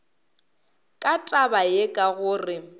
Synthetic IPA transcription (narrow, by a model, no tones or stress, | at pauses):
kʼatʼabajekʼaɣʊːrɪ